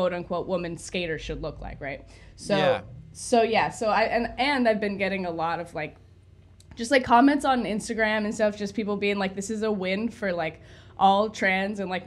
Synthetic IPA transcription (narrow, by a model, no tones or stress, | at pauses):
ʊɾɨ̃nkʰw̥oʊʔ̚wʊmɨ̃nskeɪɾə˞ʃɨdˡlʊkla̰ɪkɹaɪt̚ | soʊsoʊjæsoʊaɪʔɨ̃nɨ̃naɪvbɨ̃nɡɛɾɪ̃ŋəlɔɾʌv̥laɪk̚ | d̥ʒ̥ʌstlaɪkʰːɑmɛ̃ntsn̩ɪ̃nstɨɡɹæ̃mɨ̃nstɛɾʌv̥d͡ʒ̥ʌspipl̩ˠbiɪ̃ŋlaɪk̚ðɪsɨzəwɪ̃nd̥fə˞laɪk | ʔɔlˠtʰɹ̥æ̃nzɨ̃nlaɪk